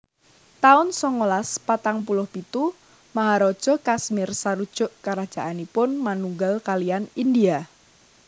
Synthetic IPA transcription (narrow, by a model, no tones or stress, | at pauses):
t̪aʊnsɔŋolaspat̪aŋpulʊhpit̪u | maɦaɾɔd̥ʒ̥ɔ̤kasmɪrsaɾud̥ʒ̥ʊ̤ʔkaɾad̥ʒ̥a̤ʔanipʊnmanuŋɡalkalianindia